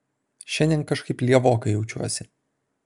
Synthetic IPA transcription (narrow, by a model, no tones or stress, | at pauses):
ʃʲɛnʲd̪ʲɛ̃nkɐʃkɐɪplʲiɛʋoːkɐɪjɛʊt͡ʃʲṵɔsʲɪ